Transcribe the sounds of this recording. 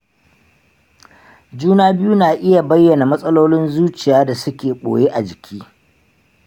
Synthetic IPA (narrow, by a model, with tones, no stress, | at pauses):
d͡ʒuː˦naː˦bɪ˦ju˦naː˨ʔɪ˦ja˨bɐ˦jːɐ˨na˨mɐ˦sʼɐ˦loː˦lɪ˦nzuː˦t͡ʃɪ˨jaː˦da˨sʊ˦kʲeː˨ko̰ː˨je˦ʔa˨d͡ʒɪ˨kʲʰiː˦